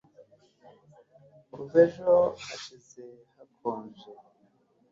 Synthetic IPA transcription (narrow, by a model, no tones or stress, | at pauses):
uzeʒoaʃizehakʰoːnd͡ʒe